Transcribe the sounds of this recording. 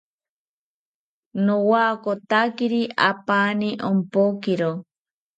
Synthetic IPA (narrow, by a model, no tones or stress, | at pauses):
nowakot̪akiɾia̰paːniʔompokiɾo